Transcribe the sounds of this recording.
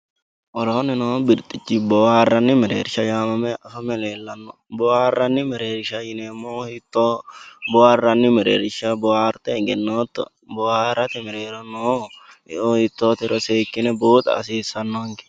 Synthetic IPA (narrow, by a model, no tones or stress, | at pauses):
ʔɔɾɔɔnɪnɔbɪɾt̪ʼɪt͡ʃːɪbɔːharːɐnːɪmɛɾḛːɾɪʃɐjaːmɐmɛɐfɐmɛleːlːɐnːɔ | bɔharːɐnːɪmɛɾeːɾɪʃɐjɪneːmːohɪt̪ːobɔharːɐnːɪmɛɾḛːɾɪʃɐbɔhaːɾt̪ɛɡɛnːoːt̪ːɔ̰ | bɔhaɾɐt̪ɛmɛɾeːɾɔnɔ | ohɪt̪ːoːt̪ɪɾɔseːkːɪnɛboːt̪ʼɐ̰ːsiːsːɐnːoŋɡɪ̥